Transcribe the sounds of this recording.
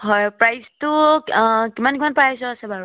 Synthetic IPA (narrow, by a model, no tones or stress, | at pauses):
ɦɔjpɹajstʊ | kimankimanpɹajsɔasɛbaɹu